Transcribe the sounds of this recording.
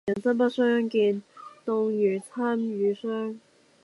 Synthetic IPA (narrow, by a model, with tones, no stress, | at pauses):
ɛ˨˩nt͡sɐ˥pa˥sœː˥ŋki˧nt̪ʊ˧ŋjyː˨˩t͡sʰa˥myː˨˥sœː˥ŋ